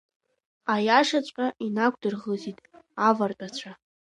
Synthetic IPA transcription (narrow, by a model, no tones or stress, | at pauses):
ajaʂat͡ɕʷʼqʲʼaʔinakʷdɨrʁəzitʼavartʼat͡ɕʷʰa